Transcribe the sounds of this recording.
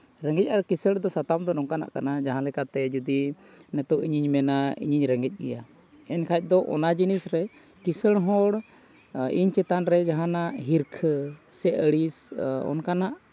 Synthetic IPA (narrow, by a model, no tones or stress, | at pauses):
ɾəŋɡɛc̚ʔaɾkisəɽd̪ɔsat̪amd̪ɔnɔŋkana̰ʔkanad͡ʒaɦãlɛkat̪ɛd͡ʒud̪i | nɛt̪ɔʔiɲiɲmɛnaḭɲiɲɾəŋɡɛc̚ˀɡɛja | ɛnkʰajc̪̚ˀd̪ɔʔɔ̰nad͡ʒinisɾɛ | kisəɽ̃ɦɔɽ | ḭɲt͡ʃɛt̪anɾɛd͡ʒaɦãnaʔɦiɾkʰsɛəɽisɔ̰nkanaʔ